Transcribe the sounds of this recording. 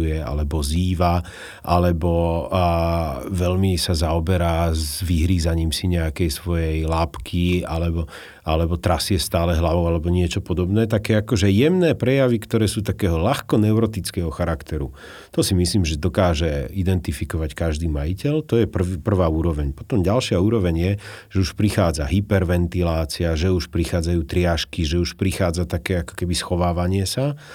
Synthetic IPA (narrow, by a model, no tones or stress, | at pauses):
ujɛa̰lɛbɔziːʋa | ʔalɛbɔ | ʋɛlmisazaɔbɛɾaːzʋiɦɾiːzaɲiːmsiɲɛakɛjsʋɔjɛjlaːpkʰialɛbɔ | ʔalɛbɔt̪ɾasɪɛst̪aːlɛɦlaʋɔʊalɛbɔɲɪɛt͡ʃɔpɔd̪ɔbnɛːt̪akɛːakɔʒɛjɛmnɛːpɾɛjaʋikt̪ɔɾɛːsuːt̪akɛːɦɔlaxkɔnɛʊɾɔt̪it͡skɛːɦɔxaɾakt̪ɛɾu | t̪ɔsimisliːmʒɛd̪ɔkaːʒɛid̪ɛnt̪ifikɔʋackaʒd̪iːmajicɛlt̪ɔjɛpr̩ʋpr̩ʋaːuːɾɔʋɛɲpɔt̪ɔmɟalʃɪauːɾɔʋɛɲjɛʒ̥ɛuʃpɾixaːd͡zaɦipɛɾʋɛnt̪ilaːt͡siaʒɛuʃpɾixaːd͡zajuːt̪ɾɪaʃkiʒɛuʃpɾixaːd͡zat̪akɛːakɔ̥kɛbisxɔʋaːʋaɲɪɛsa